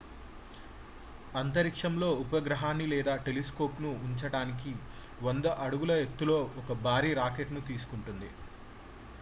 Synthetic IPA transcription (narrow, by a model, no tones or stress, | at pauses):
ɐnt̪ɐɾikʂɐmlo̞ːupɐɡɾɐɦaːnilɛːd̪aːʈe̞lesko̞ːpnuːɲt͡ʃɐɽaːnik̬i | ʋond̪ɐʔɐɽuɡulɐet̪ːulo̞ːɔkɐbʱaːɾiːɾaːke̞ʈnut̪iːsu̥kuɳʈund̪i